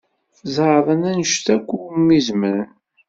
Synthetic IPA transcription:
θzˤəðˤənænəʃt̪ækʷːumːizməɾən

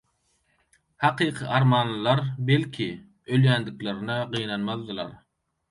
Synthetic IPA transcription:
hɑqʰiːqʰɨʔɑɾmɑːnlˠɨlˠɑɾbelkʲʰi | øljænd̪ɪkleɾnɛʁijnɑnmɑðːɨlˠɑ̰ɾ

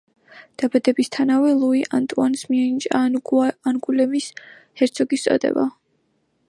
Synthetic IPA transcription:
d̪̥abad̪ɛbist̪ʰanavɛlˠuiʔant̪ʼuansmiɛnit͡ʃʼananɡulɛmis | hɛɾt̪sʰɔɡist̪sʼɔ̰d̪ɛ̰ba̰

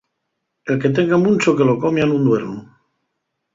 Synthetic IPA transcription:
e̞lke̞t̪̬eŋɡamũnt͡ʃoke̞lo̞komjanũnd̪we̞ɾnu

